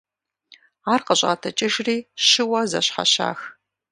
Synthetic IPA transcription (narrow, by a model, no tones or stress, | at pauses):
aːrqəɕʼa̰ːtʰɐt͡ʃʼɪʒriːɕɪwɐzɐ̰ɕħa̰ɕa̰ːx